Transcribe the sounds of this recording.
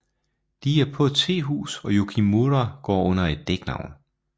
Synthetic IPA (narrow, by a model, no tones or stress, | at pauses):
d̥iæɐpʰɔ̽d̥t͡sʰe̝̰ːɦṵːsɒ̽jokʰimuɾɐɡ̥ɒ̰ːɔ̽n̰ɐe̝d̥ːeɡ̥nɑ̈ʊ̰n